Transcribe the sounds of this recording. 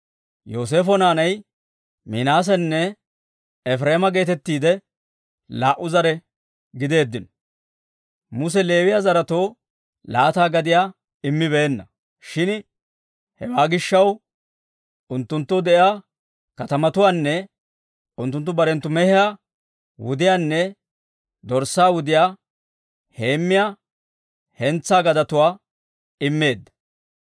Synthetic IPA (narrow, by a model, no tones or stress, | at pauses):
jo̞ːs̬e̞ːfɔnaːnɐj | minaːs̬ɛnːɛ | ɛfɾe̞ːmɐɡe̞ːt̪ɛt̪ːiːd̪ɛ | laːʔʊzɐɾɛ | ɡɪd̪e̞ːd̪ːɪnɔ̥ | mʊs̬ɛle̞ːwɪjaːzɐɾɐt̪o̞ː | laːt̪aːɡɐd̪ɪjaː | ɪmːɪbe̞ːnːɐ | ʃɪn | hɛwaːɡɪʃːɐw | ʊnt̪ːʊnt̪ːɔd̪ɛʔɪaː | kɐt̪ɐmɐt̪ʊwaːnːɛ | ʊnt̪ːʊnt̪ːʊbɐɾɛnt̪ːʊmɛhɪjaː | wʊd̪ɪjaːnːɛ | d̪ɔɾsaːwʊd̪ɪjaː | he̞ːmːɪjaː | hɛnt͡sːaːɡɐd̪ɐt̪ʊwaː | ɪmːe̞ːd̪ːɐ̥